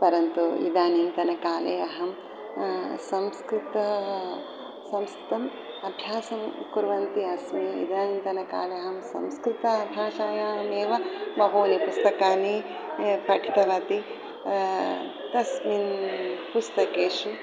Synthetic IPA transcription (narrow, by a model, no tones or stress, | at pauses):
pɐɾɐnt̪uḭd̪aːnint̪ɐnɐkaːlejɐɦɐm | sɐmskɾɪt̪ɐ | sɐmskɾɪt̪ɐm | ɐbʱjaːsɐmkuɾʋɐnt̪iɐsmiḭd̪aːnint̪ɐnɐka̰ːleɐɦɐmsɐ̰mskɾit̪ɐɐb̪ʱjaːʃaːjaːɦɐmeːʋɐbɐɦoːnipust̪ɐkaːni | pʰɐʈʰit̪ɐʋaːt̪i | t̪ɐsminpust̪ɐkeːʂu